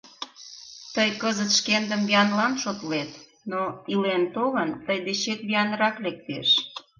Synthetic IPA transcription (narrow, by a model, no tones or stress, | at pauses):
t̪əjkəzət̪ʃkend̪əmbiɑnlɑnʃot̪let̪ | noilent̪oɣənt̪əjd̪et͡ɕet̪̚βiɑnəɾɑklek̚t̪ḛʃ